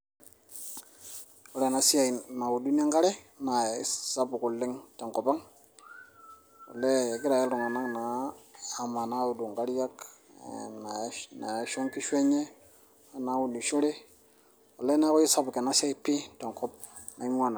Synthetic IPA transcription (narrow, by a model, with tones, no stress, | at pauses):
o˨˦le˦˨na˨˦si˦a˨na˨u˨du˦ni˦a˦ŋɡa˦ɾe˦ | na˨˦sa˦bu˨ku˨lːɪ˦ŋta˨ŋkɔ˨ba˦ŋ | o̰˨le˦˨ki˦ɾa˨je˦lu˨ŋa˨na˦ŋnaː˨ | ma˨na˨˦u˨du˨ŋɡa˦ɾi˦ja˦k | na˨˦na˨jʃo˦ŋki˦ʃwe˦ɲe˦ | a˨na˨˦wu˨ni˨ʃu˦ɾe˦ | wo˨le˦na˦ko˦i˦sa˦bu˨ke˨na˦sa˦i˦pi˦ta˨ŋkɔ˦p̚ | na˨i˦m˦a˦˨na˨